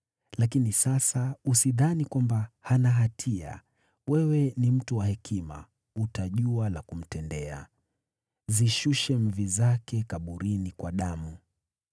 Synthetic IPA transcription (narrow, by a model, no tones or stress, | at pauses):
lakinisasausiðanikwambahanaɦatʰia̰ | wɛwɛnim̩tuwahɛkʰima̰ | utaʄualakum̩tɛndɛa̰ | ziʃuʃɛm̩vizakɛkaɓuɾinikwaɗamu